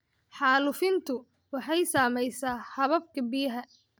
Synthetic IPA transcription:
ħɑːlʊfɪnt̪ʰʊ | wɑħɑjsaːmɛjsaːhɐβɐbkʰɐbɪjɐɦɐ

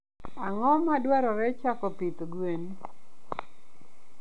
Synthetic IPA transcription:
aŋɔmadwaɾɔɾɛt͡ʃakɔpit̪ɡwen

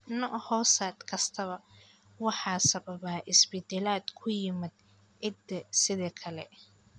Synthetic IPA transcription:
nɔʔhɔːsaːd̪kʰɐst̪ʰɐβɐ | wɑħɑːsɐβɐβaːʔɪsbɪd̪ɛlaːd̪kʰʊjɪmɪd̪̚ | ʔɪd̪ɛsɪðɛːkʰɐlɛ

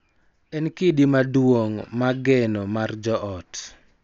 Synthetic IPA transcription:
ɛnkidimadwoŋmaɡɛnɔmard͡ʒɔʔɔt

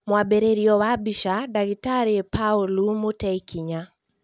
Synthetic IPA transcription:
mwabɛɾeɾiɔwabiʃadaɡitaɾipʰaulumutɛikʰiɲa

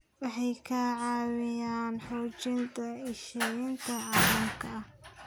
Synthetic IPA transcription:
wɑħɑjkʰaːʕɑːwɪjaːnħuːt͡ʃɪnt̪ʰɐɪʃɛjɪnt̪ʰɐʕɑrʊmkʰɐɐ

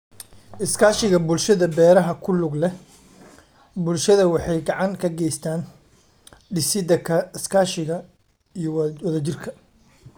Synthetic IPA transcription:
ʔɪskʰaːʃɪɣɐbʊlʃɐðɐbɛːɾɐɦɐkʰʊlʊɡlɛ | bʊlʃɐðɐwɑħɑjɡɑʕɑŋkʰɐɡɛjst̪ʰaːn | ɖɪsɪd̪ɐkʰɐɪskʰaːʃɪɣɐ | ijɔwɐðɐt͡ʃɪrkʰɐ

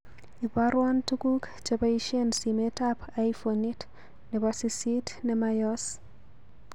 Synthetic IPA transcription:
ibaɾwantukuk | d͡ʒabaiʃensimetapajfonit | nɛbasisitnɛmajɔs

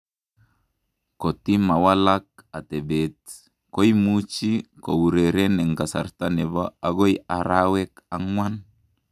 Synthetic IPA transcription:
kot̪imawalak̚at̪ɛbet̪̚ | kojmut͡ʃiko̰wuɾeɾenɛŋkasa̰rt̪anɛβaaɡojaɾawɛkaŋwan

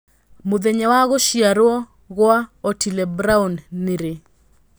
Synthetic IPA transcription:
mʊðeɲawaɣoʃjaɾwɔ | ɣwaotʰilɛbɾaunːɪɾe

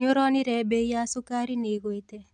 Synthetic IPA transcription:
ɲoɾɔnɪɾɛbejasukaɾineɡwet̪ɛ

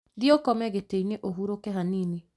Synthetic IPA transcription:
ðiokɔmɛɣeteineʔoɦuɾokɛɦaniːni

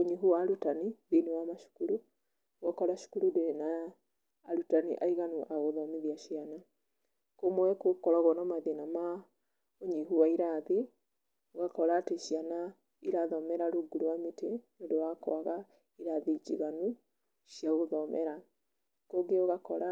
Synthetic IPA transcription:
oɲiɦuwaɾutaniðinewamaʃu̥kuɾu | oɣɔkɔɾaʃu̥kuɾudeɾenaː | ɾutanḭʔaiɣanuʔaɣoðɔmeðiaʃiana | komwɛkokɔɾɔɣɔnɔmaðenama | oɲiɦuwaiɾaði | oɣakɔɾaːteʃiana | iɾaðɔmɛɾaɾoɡuɾwametenodowakɔ̰aɣa | iɾaðid͡ʒḭɣanu | ʃijaɣoðɔmʔɛ̰ɾa | koɡeoɣakɔɾa

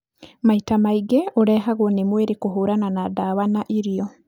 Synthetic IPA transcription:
maitamaiɡɛoɾɛɦaɣwɔnemweɾekoɦoɾananadaβanaʔiɾijɔ

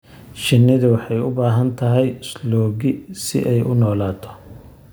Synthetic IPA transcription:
ʃɪnːɪðʊwɑħɑjʊbaːɦɐnt̪ʰɐɦɛjɪslɔːɣɪsɪ̰ʔɛjʔʊnɔːlaːt̪ʰɔ̥

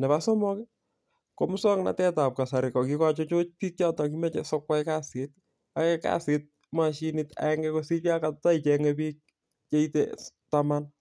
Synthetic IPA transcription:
nɛβasɔmɔkɛ | komusɔkna̰tɛtap̚kasaɾɪkɔkikat͡ʃot͡ʃopik̚t͡ʃatɔkimɛt͡ʃɛsɔkwakaset̚ | akɛka̰sɪt̚ | maʃinɪta̰ɛŋɡɛkosipjakattait͡ʃɛŋɛpik̚ | t͡ʃeitetaman

